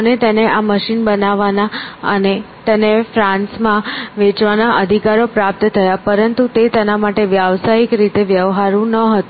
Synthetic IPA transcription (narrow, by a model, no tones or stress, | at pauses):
ənet̪eneʔaməʃinbənaʋanaə̰ne | t̪enefɾãnsmãʋet͡ʃʋanaʔəd̪ʱikaɾopɾap̚t̪t̪ʰəjapəɾənt̪ut̪et̪ɛnamaʈeʋjaʋsaikɾit̪eʋjəʋɦaɾũnəɦət̪ũ